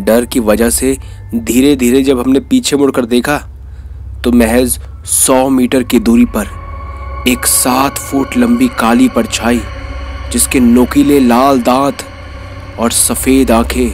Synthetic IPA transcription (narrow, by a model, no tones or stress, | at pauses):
ɖɐɾkiʋɐd͡ʒəɦse | d̪ʱiːɾed̪ʱiːɾed͡ʒɐbʱɦɐmnepiːt͡ʃʰemʊɽkəɾd̪eːkʰa | t̪omɛɦɛz | sɔːmiːʈəɾkid̪uːɾipɐɾ | eːksaːt̪ʰfuːʈlɐ̃mbikaːlipɐɾt͡ʃʰaːid͡ʒɪskenoːkilelaːld̪ãːt̪ | ɔːɾsɐfeːd̪ãːkʰe